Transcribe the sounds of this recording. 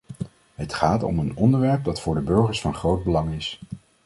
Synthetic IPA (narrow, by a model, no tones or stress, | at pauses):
ɦətχaːtɔ̰mənɔndəɹʋɛɹp̚dɑtfʊːɹdəbɵɹχəɹsfɑnχrowd̚bəlɑŋɪs